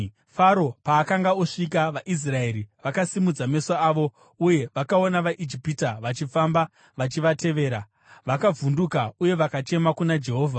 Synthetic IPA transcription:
faɾo̞paːkaŋɡaoʂik̬aʋaʔis̬rae̞ɾiʋakasimud͡zame̞saaːʋo̞ | uje̞ʋakao̞naʋaʔid͡ʒipitaʋat͡ʃifamba | ʋat͡ʃiʋate̞ʋe̞ːɾa | ʋakavundukauje̞ʋakat͡ʃe̞makunad͡ʒe̞ɦo̞ːvʱa

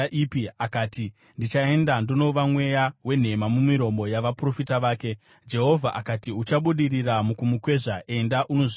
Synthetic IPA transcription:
ʔipiakaːti | ndit͡ʃae̞ndandino̞ʋamwe̞jawe̞n̤e̞mamumiɾo̞mbo̞jaʋapro̞fitaʋaːke̞ | d͡ʒe̞ɦo̞vʱaʔakatiut͡ʃaɓuɗiriramukumukwe̞ʐaʔe̞ndaʔuno̞ʐi

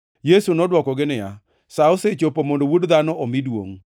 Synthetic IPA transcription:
jesunɔdwɔkɔɡɪnɪja̰ | saoset͡ʃopomondowudd̪anɔomɪdwo̰ŋ

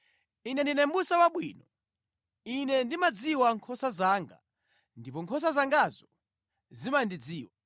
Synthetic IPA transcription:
inɛndinɛmbusawaɓwiːnɔ | inɛndimad͡ziwaŋkʰɔsazaːŋɡa̰ | ndipɔŋkʰɔs̬azaŋɡazɔ | zimandid͡ziːwa

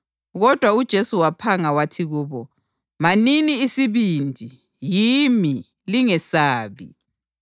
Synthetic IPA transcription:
ɣɔd̥ʱwaud̥ʒ̥ʱesuwapʰaŋawatʰiɣuːβɔ | maniniːsiβindʱi | jimi | liŋɛsaːβḭ

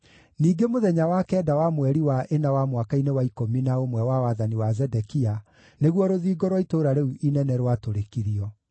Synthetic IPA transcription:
niːɡemoðɛɲawakɛːdawamwɛɾiwaʔenawamwakainewaikominaomwɛwawaðaniwazɛdɛkia | neɣwɔɾoðiːɡɔɾwɔitoɾaɾeuʔinɛnɛɾwatoɾekiɾiɔ

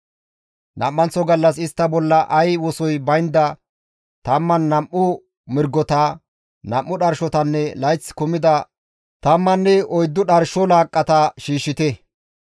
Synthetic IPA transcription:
nɐ̰mːɐnt͡sːɔɡɐlːɐs̬ɪst̪ːɐbɔlːɐʔɐjwɔsɔjbɐjnd̪ɐ | t̪ɐmːɐnːɐmʔːʊ | mɪɾɡːɔt̪a | nɐmʔːʊɗɐɾʃɔt̪ɐnːɛlɐjt͡sːkʊmɪd̪ɐ | t̪ɐmːɐnːɛɔjd̪ːʊɗɐɾʃɔlaːkʼːɐt̪ɐʃiːʃːɪt̪ɛ

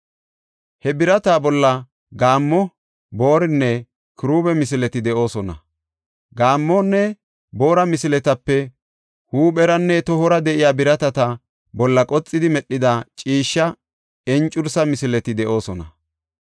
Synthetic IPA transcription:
hɛbɪɾɐt̪aːbɔlːɐ | ɡaːmːɔ | boːɾɪnːɛ | kɪɾuːbɛmɪs̬ɪlɛt̪ɪd̪ɛʔo̞ːsɔnɐ̰ | ɡaːmːɔnːɛ | bo̞ːɾɐmɪsɪlɛt̪ɐpːɛ | huːɓɛɾɐnːɛt̪ɔhɔɾɐd̪ɛʔɪjaːbɪɾɐt̪ɐt̪ɐ | bɔlːɐkʼɔt͡sʼːɪd̪ɪmɛɗːɪd̪at͡ʃʼiːʃːɐ | ɛnt͡ʃʼʊɾsɐmɪsɪlɛt̪ɪd̪ɛʔo̞ːsɔnɐ

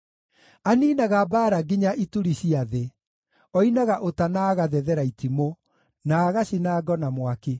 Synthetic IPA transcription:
aniːnaɣabaːɾaɡiɲaʔituɾiɕiaðe | ɔinaɣaʔotanaɣaðɛðɛɾaitʰimo | naːɣaɕinaːɡɔnamwake

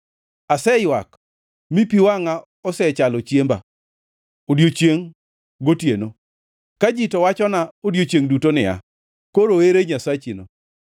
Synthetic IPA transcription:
asɛjwak | mipiwaŋa | ɔsɛt͡ʃalot͡ʃjemba̰ | odjot͡ʃjeŋ | ɡotjeno | kad͡ʒitɔwat͡ʃɔnaodjot͡ʃjeŋdutonɪa̰ | koɾoeɾeɲasat͡ʃinɔ

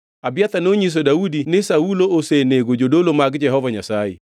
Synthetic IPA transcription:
abjat̪anoɲis̬odaudinɪsaulooseneɡod͡ʒodolomaɡd͡ʒɛɦɔvaɲasajḛ

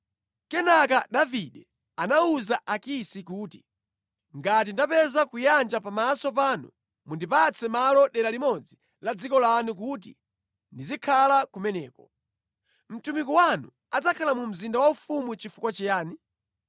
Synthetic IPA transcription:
kɛnakaɗaviɗɛ | anauzaʔakisikuːti | ŋɡat̬indapɛzakujand͡ʒapamasɔp̬anṵ | mundipat͡sʰɛmalɔɗɛɾalimɔd͡zi | lad͡zikɔlanuk̬ut̬ḭ | ndizikʰalakumɛnɛːkɔ | m̩tumikuwanṵ | ad͡zakʰalamum̩zindawaufumut͡ʃifukwat͡ʃijaːni

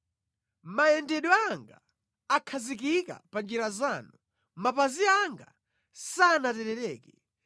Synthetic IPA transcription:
majɛndɛɗwɔaŋɡa | akʰazik̬ika̰pand͡ʒiɾazaːnu | mapaziaŋɡa | sanatɛɾɛɾɛːkɛ

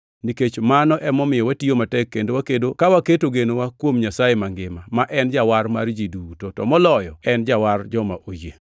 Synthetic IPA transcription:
niket͡ʃmanɔʔɛmɔmɪjɔwatiomatɛkːendowakedokawaketoɡenowakwomɲasajemaŋɡɪmamaʔɛnd͡ʒawaɾmard͡ʒidutotɔ̰mɔlɔjɔɛnd͡ʒaward͡ʒɔmaʔoje

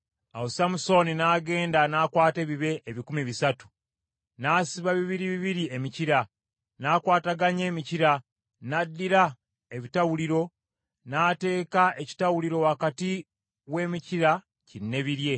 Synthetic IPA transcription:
a̰wosamuso̞ninaːɡe̞ːndanaːkwaːte̞ːβiβe̞ʔeβikumiβisatu̥ | naːsiβaβiβiɾiβiβiɾiemiciɾa | naːkwaːtaɡaɲe̞ːmiciɾa | nadːiɾa | e̞βitawuliɾo̞ | naːte̞ːkae̞ci̥tawuliɾo̞wakati | we̞ːmiciɾa | cinːe̞βiɾje̞

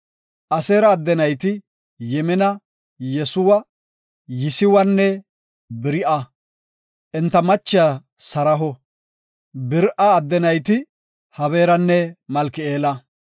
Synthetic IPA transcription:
ʔɐseːɾɐːd̪ːɛnɐjt̪ɪ | jɛmɛnɐ | jɛsʊwɐ | jɪsɪwɐnːɛ | bɪɾɪʔɐ | ʔɛnt̪ːɐmɐt͡ʃːɪjɐ | sɐɾɐɦɔ | bɪɾʔɐːd̪ːɛnɐjt̪̬ɪ | hɐβe̞ːɾɐnːɛmɐlkɪeːlɐ

